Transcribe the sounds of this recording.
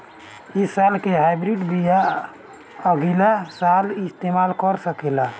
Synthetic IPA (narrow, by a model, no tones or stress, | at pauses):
ɪsːaːlkeɦaːɪbɾiɖbija | əɡilasaːlɪst̪emaːlkəɾsəkela